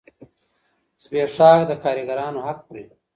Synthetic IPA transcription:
sbeːʂɑːkd̪əkaːɾiɡaɾɑːnoɦak̚pɾḭ

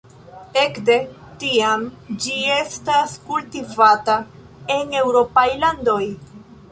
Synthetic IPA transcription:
e̞kde̞ | tiamd͡ʒie̞staskultivata | e̞ne̞wɾo̞pajlando̞j

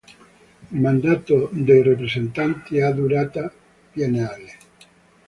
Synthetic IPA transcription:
mãnd̪at̪od̪erepɾesent̪ant̪eaðuɾat̪a | pjaneale

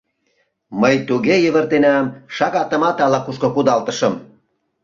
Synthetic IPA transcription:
məjt̪uɣejə̆βə̆rt̪enæmʃɑɣɑt̪ə̆mɑt̪ɑlɑkuʃkokud̪ɑlt̪ə̆ʃəm

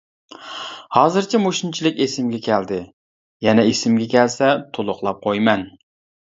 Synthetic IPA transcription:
hɑːzɨɾt͡ʃʰɛmoʃint͡ʃʰilˠɪkʲesɪmɡʲɛkʲʰɛld̪ɪ | jɛnɛesɪmɡʲɛkʲɛlsɛt̪ʰolˠʊχlˠɑp̚qʰojmɛn

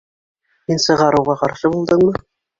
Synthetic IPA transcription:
hinsɤ̆ʁɑɾɤ̆wʁɑqɑɾʃɤbulˠd̪ɤɴmɤ

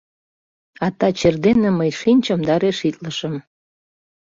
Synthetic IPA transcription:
ɑt̪ɑt͡ɕerd̪enːəməjʃinʲt͡ɕəmd̪ɑɾeʃit̪ləʃəm

